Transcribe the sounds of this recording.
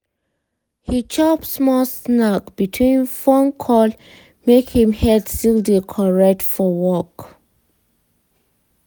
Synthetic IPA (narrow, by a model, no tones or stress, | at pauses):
hit͡ʃɔpsmɔlsnakb̥itʰwĩnfɔ̃nkʰɔl | mekhĩmhɛdstildekʰɔɹɛk̚tfɔwɔk